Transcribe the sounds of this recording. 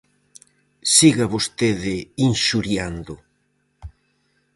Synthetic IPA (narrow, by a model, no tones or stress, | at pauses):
siɣaβost̪eðɪinʃuɾjand̪ʊ